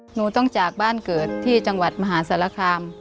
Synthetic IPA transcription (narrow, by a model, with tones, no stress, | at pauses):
nuː˨˦t̪ɔ˥˩ŋt͡ɕaː˨˩k̚baː˥˩˨nkɤː˨˩t̪ʰːiː˥˩t͡ɕa˧ŋwa˨˩t̪̚ma˧ɦaː˩˦sa˩˦la˧kʰaː˧m